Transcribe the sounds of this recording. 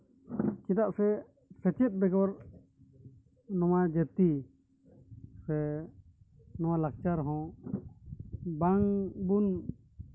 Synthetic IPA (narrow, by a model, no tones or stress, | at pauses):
t͡ʃid̪aʔsɛ | sɛt͡ʃɛt̪̚ˀbɛɡɔɾ | nɔwad͡ʒɛt̪i | sɛ | nɔwalak̚t͡ʃaɾɦɔ̃ | baŋbun